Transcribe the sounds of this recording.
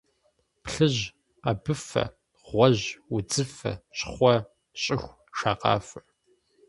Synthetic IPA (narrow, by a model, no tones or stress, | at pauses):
pɬɨʑ | qɐbɨfɐ̰ | ʁʷɔʑʊd͡zɨfɐ̰ɕχʷɔ | ɕʼɪxʷ | ʃaːqɑ̰ːf